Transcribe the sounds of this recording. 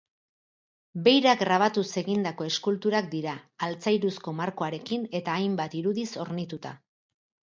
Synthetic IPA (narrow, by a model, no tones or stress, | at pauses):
be̞jɾaɡɾaβ̞at̪use̞ɣind̪ako̞e̞skult̪uɾak̚d̪iɾaːlt͡sajɾusko̞maɾko̞aɾe̞kine̞t̪aːjmbat̪iɾuðiso̞ɾnit̪ut̪a̰